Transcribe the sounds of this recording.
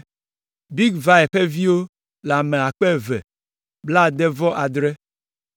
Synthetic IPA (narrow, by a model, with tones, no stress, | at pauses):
bi˦ɡva˨˦ɛ˨ɸe˦vi˦wo˦ | la˨me˨a˨k͡pe˦˨vɛ̰˨ | bla˦˨d̪e˦vɔ˦ʔa˨d̪ɾe˦